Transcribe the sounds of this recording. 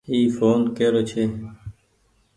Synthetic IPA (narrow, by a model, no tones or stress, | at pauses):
iːfoːnkeɾot͡ɕʰe